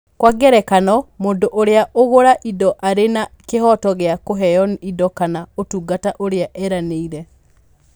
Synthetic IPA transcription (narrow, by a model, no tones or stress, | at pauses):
kwaɡɛɾɛkanɔmoːndoʔoɾeaʔoɣoɾaʔidɔʔaɾenakehɔtɔɣeakoɦɛjɔnidɔkanaotuɡataʔoɾeaʔɛɾaneiɾɛ